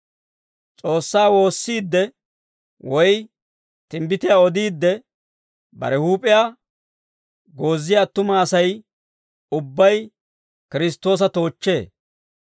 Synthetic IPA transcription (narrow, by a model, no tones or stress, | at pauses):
t͡sʼo̞ːsːaːwo̞ːsːiːd̪ːɛ | wɔj | t̪ɪmbɪt̪ɪjaːɔd̪iːd̪ːɛ | bɐ̰ɾɛhuːpʼɪjaː | ɡo̞ːzːɪjaːt̪ːʊmaːsɐj | ʊbːɐj | kɪɾɪs̬t̪ːo̞ːs̬ɐt̪o̞ːt͡ʃːe̞ː